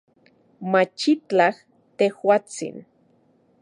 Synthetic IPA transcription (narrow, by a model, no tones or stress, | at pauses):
mat͡ʃit͡ɬah | t̪ehwat͡sḭn